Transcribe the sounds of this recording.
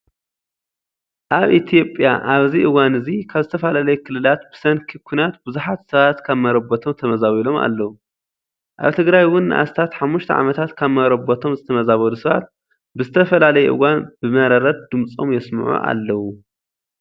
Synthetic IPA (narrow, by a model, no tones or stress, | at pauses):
ʔaβʔit̪ʰjo̞pʼja̰ʔaβziʔɨwanɨzikʰaβzɨt̪ʰɐfalalɐjɛkʰɨlɨlat̪̚bɨ̥sɐnkʰɨkʰːunat̪bɨzuħat̪sɐβat̪kʰaβmɐɾɐbot̪ʰo̞mt̪ʰɐmɐzaβilo̞mʔa̰lːɐwu | ʔa̰βt̪ʰɨɡɾajwʊnːɨ̰ʔa̰st̪ʰat̪ħamːuʃt̪ʰɐ̰ʕa̰mɐt̪ʰat̪kʰaβmɐɾɐbot̪ʰo̞mzɨt̪ʰɐmɐzaβɐlusɐβa̰t̪̚ | bɨzɨt̪ʰɐfɐlalɐjɛʔɨ̰ɣanbɨmɐɾɐɾɐt̪̚d̪ɨmt͡sʼo̞̰mjɛsmʕṵʔa̰lːɐwu